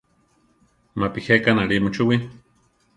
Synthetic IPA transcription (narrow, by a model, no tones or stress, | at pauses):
mapihekanaɾimut͡ʃuwi